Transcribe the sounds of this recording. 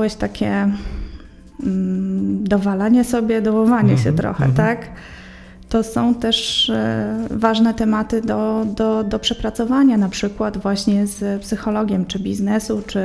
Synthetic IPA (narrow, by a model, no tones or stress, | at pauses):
awɛɕt̪akʲɛ | d̪ɔvalaɲɛsɔbʲjɛd̪ɔwɔvaɲɛɕɛt̪ɾɔ̰xɛ̰t̪ak | t̪ɔsɔ̃w̃t̪ɛʂ | vaʐnɛt̪ɛmat̪ɘd̪ɔd̪ɔd̪ɔpʂɛpɾat̪sɔvaɲanapʂɘkwad̪vwaɕɲɛzpsɘxɔlɔɡʲɛmt͡ʂɘbʲiznɛsut͡ʂɘ